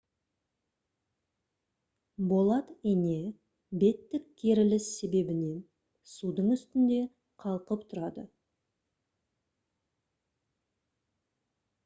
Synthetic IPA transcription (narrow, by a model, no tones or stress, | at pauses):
bo̞lˠɑt̪ene̞ | be̞t̪ːɪkkʲʰːe̞ɾɪlɪse̞be̞bɪne̞ | sud̪əɴʏst̪ɪnd̪e̞ | qʰɑlˠqəp̚t̪ʰʊɾɑd̪ə̰